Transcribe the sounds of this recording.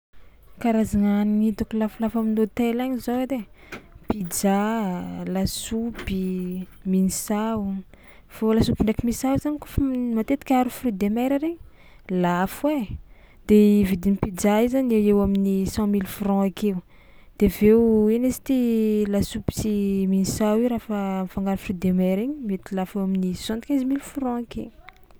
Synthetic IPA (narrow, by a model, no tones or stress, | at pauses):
kaɾazaŋanit̪ukulafulafaminot̪elaɲizoed̪e | pid͡ʒa | lasupiminisau | folasubinɳɖ͡ʐekimisauzanikufamat̪et̪i̥kʲaɾufɾid̪emajɾaɾeɲ | lafwe | d̪̥evid̪inipid͡ʒaizanewewaminisɑ̃milfrɔ̃akeu | d̪̥evewinesi̥t̪ilasubi̥t͡siminisawiɾafəmifaŋɡaɾufrid̪emɛɾeɲimet̪ilafewaminisɑ̃t̪kʲɛ̃zmilfɾɔ̃ake